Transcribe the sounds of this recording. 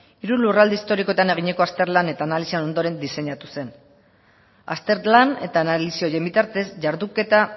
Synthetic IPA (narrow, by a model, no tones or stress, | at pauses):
iɾulurald̪ist̪o̞ɾiko̞t̪ane̞ɣ̞iɲe̞ko̞ast̪e̞ɾlane̞t̪aːnalisiano̞nd̪o̞ɾe̞nd̪ise̞ɲat̪use̞n | a̰st̪e̞ɾlane̞t̪aːnalisio̞je̞mbit̪aɾt̪e̞sʝaɾðuke̞t̪a